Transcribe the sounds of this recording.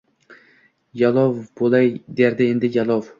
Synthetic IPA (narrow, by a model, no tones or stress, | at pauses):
jalˠɒwbolˠajd̪eɾd̪ɪe̞nd̪ɪjalˠɒw